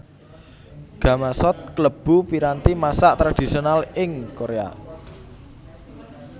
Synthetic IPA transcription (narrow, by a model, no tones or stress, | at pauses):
ɡ̥a̤masɔt̪̚kləb̥ṳpiɾant̪imasaʔt̪ɾad̪̥i̤sionalɪŋkoɾea̰